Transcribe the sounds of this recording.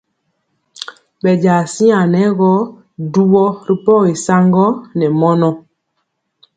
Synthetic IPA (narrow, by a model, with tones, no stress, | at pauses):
bɛ˨d͡ʒa˨si˦a˨nɛ˨˦ɣɔ˦ | du˦wɔ˦ɾi˦pɔ˦˨i˨sa˦ŋɡɔ˦nɛ˨mɔ˦nɔ˦